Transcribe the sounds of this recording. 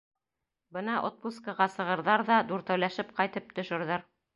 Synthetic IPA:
bɤnɑʔot̪̚puskəʁɑsɤ̆ʁɤ̆ɾðɑɾðɑd̪uɾt̪æwlæʃɘp̚qɑjt̪ɤp̚t̪ɵ̆ʃɵ̆ɾðɘɾ

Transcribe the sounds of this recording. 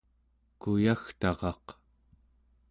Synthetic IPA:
kujaxt̪ɑʁɑq

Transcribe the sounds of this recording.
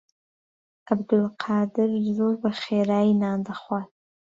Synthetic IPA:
abd̪ʊlqʰɑːdɪrzorbaχeːɾaːjinaːndaχʷat̚ʰʼ

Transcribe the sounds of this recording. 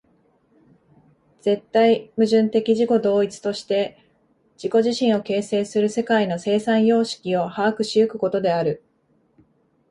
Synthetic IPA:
d͡z̥e̞t̪ːaimɯ̟ʑɨ̃nt̪e̞kʲiʑiko̞d̪o̞ːit͡sɨ̥t̪o̞ɕi̥t̪e̞ | d͡ʑ̥iko̞ʑiɕĩɰ̃o̞ke̞ːse̞ːsɨɾɯ̟se̞kaino̞se̞ːsãɰ̃jo̞ːɕi̥kʲio̞haːkɯ̟ɕijɯ̟kɯ̟ko̞t̪o̞d̪e̞aɾɯ̟

